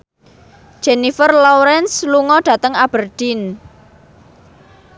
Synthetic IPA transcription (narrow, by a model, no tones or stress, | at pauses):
ʒ̥enifərlɔwɾɛnsluŋɔɖ̥ä̤t̪əŋab̥ərd̪̥in